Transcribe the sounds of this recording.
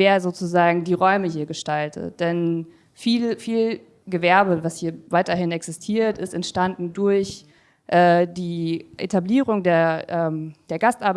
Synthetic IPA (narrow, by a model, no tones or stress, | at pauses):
veːɐzoːt͡suzaːɡŋ̩diːʁɔʏməɦiːɐɡəʃtaltʰə̰d̥ɛn | fiːlfiːl | ɡəvɛɐbəvashiːɐvaɪtɐɦɪnɛksɪstʰiːɐtɪstɛntʃtandn̩dʊɐç | ʔɛːdiːʔḛtabliːʁʊŋdeːɐʔɛːmd̥eːɐɡastʔaɐb